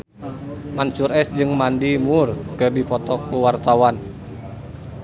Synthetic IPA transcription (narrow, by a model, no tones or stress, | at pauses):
mansurɛsd͡ʒɨŋmandimurkɨrdipɔt̪ɔkuwart̪awan